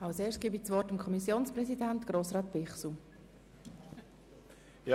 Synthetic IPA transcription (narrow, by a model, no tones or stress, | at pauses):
ɑlseːsɡ̥iːbit͡sʋɔtamkʰɔmisjoːnsprɛsidɛntɡ̥ɾoːsʁɑːt̚b̥ɪχsu | j